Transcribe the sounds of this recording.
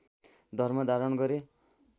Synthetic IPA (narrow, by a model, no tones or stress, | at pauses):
d̪ʱʌrmʌd̪aɾʌnɡʌɾe